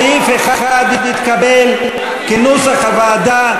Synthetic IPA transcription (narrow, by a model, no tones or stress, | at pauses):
ifeχaχad̪idit̪kabel | kinusaχavaːd̪a